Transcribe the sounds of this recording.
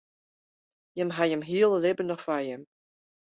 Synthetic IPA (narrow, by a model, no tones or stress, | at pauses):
jəmɦajəmɦiːlˠlebənɔχfajəm